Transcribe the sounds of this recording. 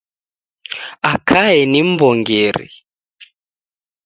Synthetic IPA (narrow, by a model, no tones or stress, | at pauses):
akʰaɛnim̩bɔŋɡɛɾḭ